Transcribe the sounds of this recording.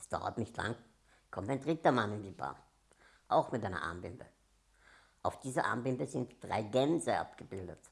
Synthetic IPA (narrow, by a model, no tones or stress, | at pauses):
sd̥a̰ʊɐ̰tnɪçtla̰ŋ | kʰɔmtæɪndʁɪtɐmanɪndiːba̰ː | ʔaʊxmɪtʔaɪnɐ̰ʔa̰ːmbɪmbə̰ | ʔaʊfd̥iːzɐʔa̰ːmbɪmbəzɪntd̥ʁa̰ɪɡɛnzəʔa̰pɡ̥əbɪldət